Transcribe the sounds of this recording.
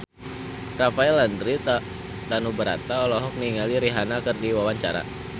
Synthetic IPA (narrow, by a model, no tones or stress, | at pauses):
rafaɛlandɾi | t̪anubəɾa̰t̪aɔlɔɦɔk̚niŋaliɾiɦanakɨrdiwawaɲt͡ʃa̰ɾa̰